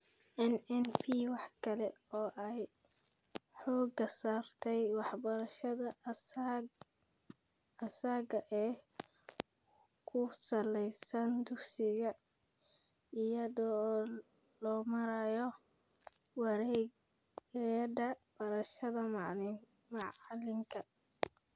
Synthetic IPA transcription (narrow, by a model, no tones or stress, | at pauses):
ʔɛnɛnpʰiwɑħkʰɐlɛɔːʔɛj | ħɔːɡɐsaːrt̪ʰɛjwɑħbɐɾɐʃɐðɐ | ɐsaːɡɐʔɛː | kʰʊsɐlɛjsɐnd̪ʊɡsɪɣɐ | ɪjɐðɔː | lɔːmɐɾɐjɔ | wɾɛɡ | ɛdɐbɐɾɐʃɐðɐm | mɑʕlɪŋkʰɐ